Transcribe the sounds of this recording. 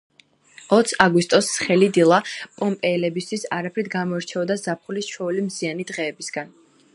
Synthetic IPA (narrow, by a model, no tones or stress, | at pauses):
ɔt̪sʰaɡwist̪ʼɔsːχɛlid̪ilˠapʼɔmpʼɛːlɛbist̪ʰwisaɾapʰɾid̪̚ʰɡamɔɛɾt͡ʃʰɛɔd̪azapʰχulist͡ʃʰwɔulimzianid̪ʁɛːbisɡ̥an